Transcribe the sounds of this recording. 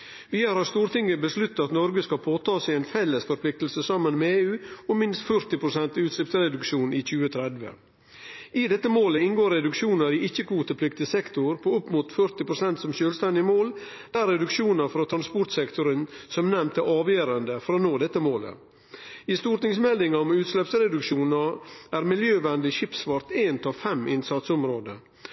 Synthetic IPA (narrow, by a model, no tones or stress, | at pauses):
ʋiːəɾhɑɾst̪uːɾt̪ɪŋːəbəslʉt̪ːɑɑt̪nɔɾɡəskɑpʰoːt̪ʰɑːsɛɛɪnfɛlːəsfɔɾpʰlɪk̚t̪l̩səsɑmːənmeeːʉːɔmɪnst̪fœɾt̪ɪpʰɾʊsɛnt̪ɪʉːt̪slɪpsɾɛd̪ʉkʃuːnʔɪc͡çʉːət̪ʰɾɛd̪ʋə̰ | ɪd̪ɛt̪ːəmoːləɪnɡoːɾːɛd̪ʉkʂuːnəɾɪɪçːəkʰʋuːt̪əpʰlɪkt̪ɪsɛkt̪ʊɾpʰoʊpːmuːt̪fœɾt̪ɪpɾʊsɛnt̪sɔmʃøːlst̪ɛnd̪ɪəmoːl | d̪̥æɾɛd̪ʉkʂuːnɑfɔɾɔt̪ʰɾɑnspɔʈ̪sɛkt̪ʊɾənsɔmnɛmt̪ʰːəʔɑːʋjøːɾɑnd̪əfɔɾɔnoːd̪ɛt̪ːəmoːlə̰ | ɪst̪uːʈ̪ɪŋsmɛld̪ɪŋɑɔmʉːt̪slɛpsɾɛd̪ʉkʂuːnɑæːɾmɪljøːʋɛnd̪ɪɕɪpsʋɑɾt̪eːnt̪ʰɑfɛmʔɪnsɑt̪sɔmɾoːd̪ə̰